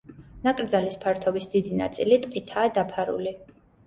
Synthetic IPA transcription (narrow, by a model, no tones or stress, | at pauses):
nakʼɾd̪zalispʰaɾt̪ʰɔbisd̪id̪ina̰t̪sʼilit̪ʼqʼit̪ʰaːd̪apʰaɾṵli